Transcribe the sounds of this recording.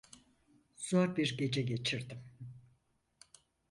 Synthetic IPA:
z̥oɾbiɾɟe̞d͡ʒɛɟe̞t͡ʃʰiɾd̪im

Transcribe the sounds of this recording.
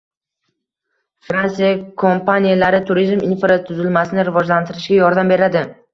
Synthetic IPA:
fɾansijakʰompanijalaɾɪt̪ʰʊɾizmɪnfɾat̪ʰʊzɪlmasɪnɪɾɪvɒd͡ʒlant̪ʰɪɾɪʃɡʲajɒɾd̪ambe̞ɾad̪ɪ

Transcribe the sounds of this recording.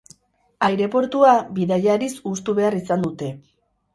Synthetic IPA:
ajɾe̞po̞ɾt̪uabiðaʎaɾisust̪uβe̞arisand̪ut̪e̞

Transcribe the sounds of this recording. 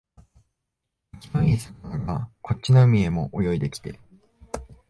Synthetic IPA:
kʲi̥maiisanaoka̰ko̞t̚t͡ɕːinoɯ̟mʲie̞mo̞ʔojo̞id̪e̞kʲi̥t̪e̞̰

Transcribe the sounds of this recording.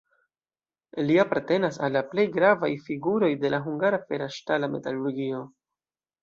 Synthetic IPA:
liapaɾte̞nasalːaple̞jɡɾava̰jfiɡuɾo̞jde̞laɦuŋɡaɾafe̞ɾaʃtalame̞̰taluɾɡio̞

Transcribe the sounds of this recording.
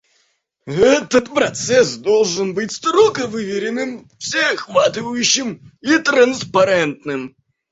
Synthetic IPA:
ɛt̪ət̪pɾɐt̪sɛsd̪olˠʐɨnbɨtʲst̪ɾokəvɨvʲɪɾʲɪnɨmfsʲexvat̪ɨvəjʉɕːɪmit̪ɾənspɐɾɛnt̪̚nɨm

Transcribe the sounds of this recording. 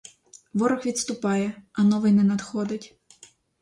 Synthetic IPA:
ʋɔɾɔxʋʲid̪st̪ʊpɑjɛɐnɔʋɪjnɛnɐd̪xɔd̪ɪtʲ

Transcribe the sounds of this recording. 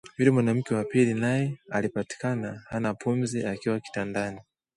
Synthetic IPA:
milimwanam̩kɛwapilinajɛalipati̥kanahanapumziakiwaki̥tandani

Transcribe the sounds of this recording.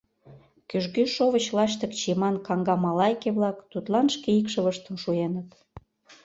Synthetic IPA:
kyʒɡyʃoβət͡ɕlɑʃt̪ə̆kt͡ɕimɑnkɑŋɡɑmɑlɑjkeβlɑkt̪ut̪lɑnʃkeikʃə̆βəʃt̪ə̆mʃuenət̪

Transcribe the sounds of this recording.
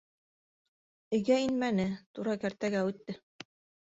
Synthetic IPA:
ɘ̆ɡæinmænɘt̪uɾɑkæɾt̪æɡæʉt̪ːɘ

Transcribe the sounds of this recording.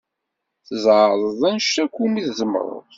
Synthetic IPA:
θəzˤʕðˤəðˤænʃtækʷːumiθzəm̰ɾˤʊ̰ðˤ

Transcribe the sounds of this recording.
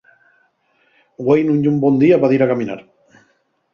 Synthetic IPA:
ɡwejnũɲʎumbɔnd̪iaβaðiɾakamina̰ɾ

